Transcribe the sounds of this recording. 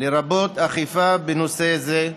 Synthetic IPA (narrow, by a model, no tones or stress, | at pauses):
leɾabo̞t̪aχifabenoseze